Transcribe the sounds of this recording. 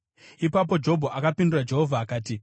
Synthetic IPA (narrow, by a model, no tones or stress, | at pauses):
ipap̬o̞d͡ʒo̞bʱoʔakapindurad͡ʒe̞ɦo̞vʱaːkaːti